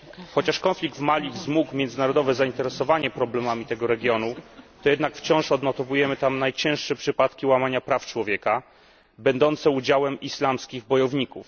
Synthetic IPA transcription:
xɔt͡ɕaʂkɔnflʲiɡ̚d̪vmalʲivzmukmʲjɛnd̪zɘnaɾɔd̪ɔvɛzaint̪ɛɾɛsɔvaɲɛpɾɔblɛmamʲit̪ɛɡɔɾɛɡʲjɔnut̪ɔjɛd̪nakft͡ɕɔ̃w̃ʂɔd̪nɔt̪ɔvujɛmɘt̪amnajt͡ɕɛ̃w̃ʂʂɛpʂɘpat̪kʲiwamaɲapɾaft͡ʂwɔvʲjɛka | bɛnd̪ɔnt̪sɛud͡ʑawɛmislamskʲiɣbɔjɔvɲikuf

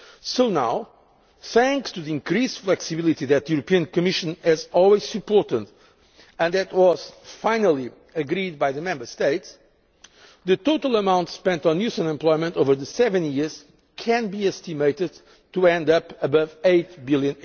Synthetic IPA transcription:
soʊnaw | θæ̃ŋkstɨðiĩŋkɾisflɛksɨbɪlˠit̪iðɨt̪̚ðijuɾɨpiɨ̃nkɨmɪʃɨ̃nɪzɔlˠwiz̥sɨpɔɹtə̃nd | ɨ̃nðɨtwʌz̥fãɪ̃nəlˠi | ɨɡɾid̪̚baɪðɨmɛ̃mbə˞st̪eɪts | ðɨt̪oʊtəlˠəmãʊ̃ntspɛ̃ntnjʉsə̃nɛ̃mpl̥ɔɪmə̃ntoʊvə˞ðɨsɛvɨ̃njiɹz̥ | kʰɨ̃nbiɛstimeɪtɨd̪̚ | tuɛ̃ndʌpəbʌveɪt̚bɪlˠjɨ̃n

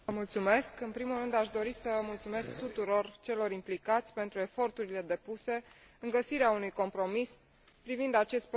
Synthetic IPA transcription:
əmult̪sume̞skɨnpɾimulrɨnd̪aʃd̪o̞ɾisəmult̪sume̞sk̚t̪ut̪uɾo̞rt͡ʃe̞lo̞ɾimplikat̪sʲpe̞nt̪ɾue̞fo̞rt̪uɾile̞d̪e̞puse̞ | ɨŋɡəsiɾeaunujko̞mpɾo̞mis | pɾivind̪at͡ʃe̞st̪̚p

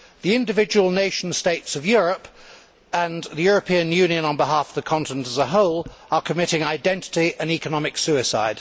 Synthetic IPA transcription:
ðiɪ̃ndɨvɪd͡ʒəwəlˠneɪʃn̩steɪtsəvjʊɹəp | ə̃nðijʊɹəpʰĩə̃njʉ̃njə̃nə̃nbɪɦɑˑfəvðəkʰɑ̃ntənə̃ntəzəɦoʊlˠəkʰəmɪɾɪ̃ŋaɪdɛ̃ntɪ̥tiə̃nikənɒmɨksʉɪsa̰ɪd̥

